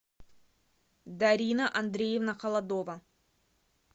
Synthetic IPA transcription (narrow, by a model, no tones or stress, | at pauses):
d̪ɐɾʲinəʔɐnd̪ɾʲejevnɐqɐlˠɐd̪ovɐ